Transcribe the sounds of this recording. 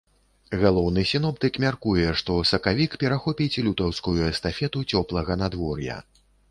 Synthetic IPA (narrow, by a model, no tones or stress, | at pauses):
ɣalˠɔwnɨsʲinɔpt̪ɨkmʲarkujɛʂt̪ɔsɐkavʲikpʲɛɾaxɔpʲit͡sʲlʲut̪ɐwskujuɛst̪afʲɛt̪ut͡sʲɔplˠɐɣɐnad̪vɔrjɐ̰